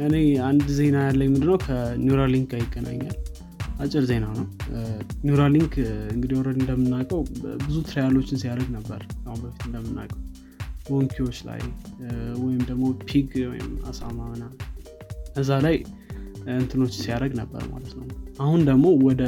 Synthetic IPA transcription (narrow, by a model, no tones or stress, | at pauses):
ɨne̞and̪ze̞najalːajmɨnd̪ɨnəwkʰənjuɾaliŋɡajɪɡʼːənʔa̰ɲːa̰l | ʔat͡ʃʼːɪɾze̞nanəw | njuɾaliŋɡɨŋɡɨd̪iɔɾəd̪ɨnd̪əmːɨnːakʼəwbɨzut̪ʰɾajalo̞t͡ʃːɪnsijaɾəɡnəbːə̰ɾkʰahunbəfit̪ɨnd̪əmːɨnːa̰kʼəw | wɔŋkʰio̞t͡ʃːla̰j | wɔjɪmd̪əɡmo̞pʰiɡwɔjɪ̰ma̰sa̰mamna | əzːalaj | ɨnt̪ʰɨno̞t͡ʃːɪsijaɾəɡnəbːə̰ɾma̰lət̪nəwnʔahund̪əɡmo̞wɔd̪ə